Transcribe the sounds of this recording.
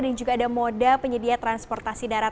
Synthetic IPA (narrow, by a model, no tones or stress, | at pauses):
dand͡ʒuɡaːdamodapəɲədiat̪ɾanspɔrt̪asidaɾa